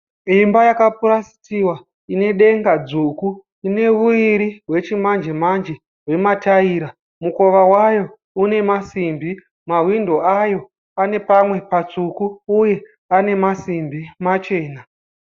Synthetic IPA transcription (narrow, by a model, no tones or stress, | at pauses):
imbajakapuɾasi̥tiwa | ine̞ɗe̞ŋɡad͡zuku | ine̞ʋuiɾiɦwe̞t͡ʃimand͡ʒemand͡ʒe̞ | ɦwe̞mataiːɾa | muko̞ʋawajo̞ | une̞masimbi | maɦwindo̞ajo̞ | ane̞pamwe̞pat͡sukuːje̞ | ane̞masimbimat͡ʃe̞ːna